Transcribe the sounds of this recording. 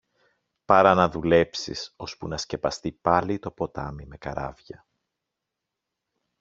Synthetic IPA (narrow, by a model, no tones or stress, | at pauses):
pɐɾɐnɐðule̞psḭso̞spunɐsce̞pɐst̪ipɐlit̪o̞po̞t̪ɐ̰mime̞kɐɾɐ̰vʝɐ